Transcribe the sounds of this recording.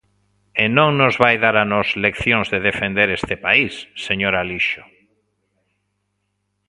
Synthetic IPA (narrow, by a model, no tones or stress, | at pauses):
enõŋnozβajðaɾanɔzlekθjõŋzðeðefend̪eɾest̪ɪpaisːeɲoɾaliʃo̥